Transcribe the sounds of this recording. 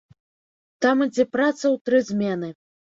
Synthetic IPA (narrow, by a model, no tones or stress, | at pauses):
t̪amɨd͡zʲɛpɾat̪sɐwt̪ɾɨzʲmʲɛnɨ